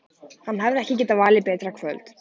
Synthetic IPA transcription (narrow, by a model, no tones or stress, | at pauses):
hanːɦavɾɛhcɪcɛːt̪avaːlɪpɛːt̪ɾakʰv̥œ̰lt̪